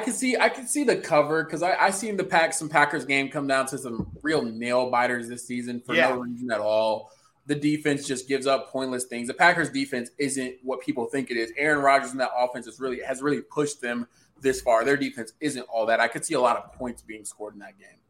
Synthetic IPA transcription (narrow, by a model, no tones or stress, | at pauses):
aɪkɨd̥siaɪkʰɨd̥siðɨkʰʌvə˞kʰʌzaɪʔaɪsĩnðɨpʰæksʌ̃m̩pʰækə˞zɡẽɪ̃mkʰʌ̃mdãʊ̃ntʰɨsʌ̃mɹilˠneɪlˠbaɪɾə˞zðɪsizɨ̃nfə˞noʊɹizɨ̃nɨɾɔlˠ | ðɨdifɛ̃nsd̥ʒ̥ʌsɡ̥ɪvzʌpʰɔ̃ɪ̃nʔlɨsθɪ̃ŋzðɨpʰækə˞zdifɛ̃nsɪzɨ̃nt̚wʌt̚pʰipl̩ˠθɪ̃ŋkɨɾɪzɛɹɨ̃nɹɑd͡ʒə˞z̃n̩ðəɾɔfɛ̃nsɨzɹɪlˠiɨzɹɪlˠipʰʊʃ̚ðɨ̃m | ðɪsfɑɹðə˞difɛ̃nsɪzɨ̃ntɔlˠðɨɾaɪkɨd̥siəlɔɾʌv̥pʰɔ̃ɪ̃ntsb̥iɪ̃ŋskɔɹɾn̩ðɨt̚ɡ̥ẽɪ̃m